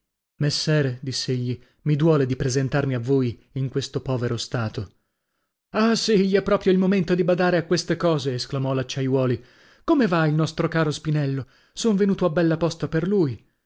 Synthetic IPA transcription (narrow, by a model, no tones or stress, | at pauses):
mesːɛːɾed̪isːeeʎːi | mid̪wɔːled̪ipɾezent̪armiavːoːjiŋkwest̪opɔːveɾost̪aːt̪o | asiʎːiɛpːɾɔːpɾjoilmoment̪od̪ibad̪aːɾeakwest̪ekɔːzeːsklamɔlat͡ʃːajwɔːli | komevailnɔst̪ɾokaːɾospinɛlːo | soɱvenuːt̪oabːɛlːapɔst̪aperluj